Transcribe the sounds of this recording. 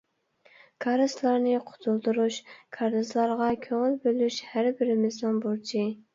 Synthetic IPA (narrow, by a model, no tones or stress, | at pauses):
kʰɑɾɨslˠɑɾnɨqʰʊ̥t̪ʰulˠd̪uɾuʃkʰɑɾɨzlˠɑɾʁɑkʲʰøŋɪlbølyʃhæɾbɪɾɪmɪznɪŋbuɾt͡ʃʰi